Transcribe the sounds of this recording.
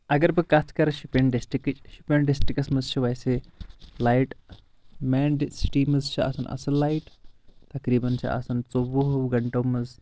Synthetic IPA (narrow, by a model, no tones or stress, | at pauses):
ɐɡɐɾbɨkɐt̪ʰkɐɾɐʃupeɳɖesʈikɨt͡ʃʃupeɳɖesʈikɐsmɐzt͡ʃʰiʋɐjselajʈ | mɛːɳɖsʈiːmɐzt͡ʃʰiɐ̰sɐnʔɐ̰sɐlːajʈt̪ɐkɾiːbɐnt͡ʃʰḭʔɐ̰sɐnt͡soʋuɦɡɐɳʈɐwmɐz